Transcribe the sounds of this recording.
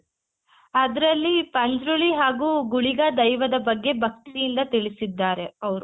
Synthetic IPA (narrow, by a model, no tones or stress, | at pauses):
ɐd̪ɐɾɐlːipɐɲd͡ʒɾuɭiɦaːɡuːɡuɭiɡad̪ɐjʋɐd̪ɐbɐɡːe̞bʱɐk̚t̪ijind̪ɐt̪iɭisid̪ːaːɾe̞ɐʋɐɾu